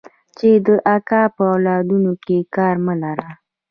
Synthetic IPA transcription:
t͡ʃed̪əʔakɑpəawlɑd̪unokekɑɾməlaɾa

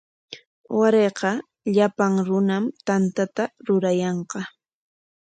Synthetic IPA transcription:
waɾeːqɑ | ʎapaŋɾʊnamt̪ant̪at̪aɾʊɾajɑɴqɑ

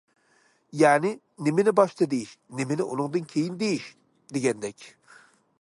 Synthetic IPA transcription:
jɛːnɪ | nɪmɪnɪbɑʃt̪ʰɨd̪ejiʃnemɪnɪʔunɨŋd̪ɨnkʲʰejind̪ejiʃ | d̪eɡʲɛnd̪ɛkʲ

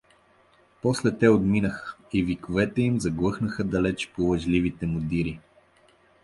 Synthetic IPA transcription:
pɔslɛt̪ɛod̪minəxə̥ivikovɛt̪ɛimzɐɡlˠɤxnəxəd̪ɐlɛt͡ʃpolˠɐʒlivit̪ɛmʊd̪iɾi

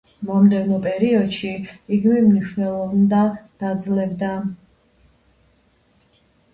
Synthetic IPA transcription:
mɔmd̪ɛvnɔpʼɛɾiɔd̪ʃiiɡmimniʃwnɛlˠɔvnd̪ad̪̥ad̪zlɛbd̪a

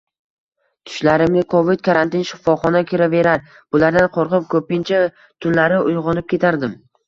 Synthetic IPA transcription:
t̪ʰʊ̥ʃlaɾɪmnɪkʰovɪd̪̚kʰaɾant̪ɪnʃɪ̥fɒχɒnakʲʰɪɾave̞ɾaɾ | b̥ʊlaɾd̪anqʰoɾqɨp̚kʰɵpɪnt͡ʃʰa | t̪ʰʊlːaɾɪʊjʁɒnɪp̚kʲe̞t̪ʰaɾd̪ɪm

